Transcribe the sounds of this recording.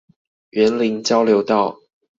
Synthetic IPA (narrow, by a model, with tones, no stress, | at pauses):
ɥɛ˨˦nli˨˦ŋt͡ɕjɑ˦ʊljo˨˧ʊt̪ɑ˥˩ʊ